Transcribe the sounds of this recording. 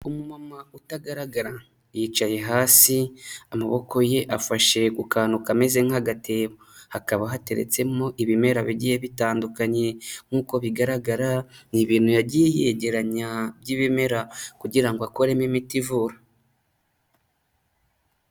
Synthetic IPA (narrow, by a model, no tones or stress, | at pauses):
umumamautaɡaɾaɡaɾa | jit͡ʃaje̞ɦaːsiamaβo̞ko̞je̞ʔafaʃe̞kukʰaːnukame̞ze̞ŋ̥haɡate̞ːβohakaβaɦate̞ɾḛt͡se̞mo̞ʔiβime̞ɾaβiɟijeβitaːndukaɲe̞ŋ̥uːko̞βiɡaɾaɡaɾaniβiːnujaɟiejeɟe̞ɾaɲabɟiːβime̞ɾakuɟiɾaŋɡoako̞ɾemimitivuɾa